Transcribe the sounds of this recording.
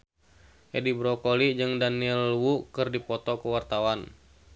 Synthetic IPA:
ʔɛdibɾɔkolid͡ʒɨŋdaniɛlwukɨrdipɔt̪ɔkuwart̪awan

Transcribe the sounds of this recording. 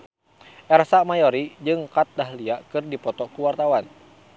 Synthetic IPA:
ʔɛrsamajɔɾid͡ʒɨŋkat̪̚daɦliakɨrdipɔt̪ɔkuwart̪awan

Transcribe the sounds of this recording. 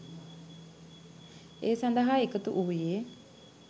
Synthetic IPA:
eːsand̪əɦaekət̪uʔuujeː

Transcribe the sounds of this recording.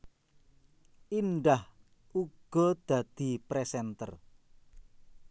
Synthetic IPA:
ʔinɖah | ʔuɡ̥ɔ̤d̪̥ä̤d̪̥i̤pɾɛsɛnt̪ə̰r

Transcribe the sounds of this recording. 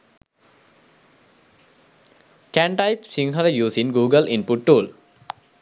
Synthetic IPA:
kæɳʈajpsiŋɦəljuːsinɡuːɡəlʔĩnpuʈʈuːl

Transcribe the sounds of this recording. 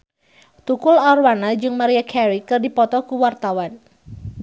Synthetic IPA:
t̪ukʊlɔrwanad͡ʒɨŋmaɾiakʰɛɾikɨrdipɔt̪ɔkuwart̪awan

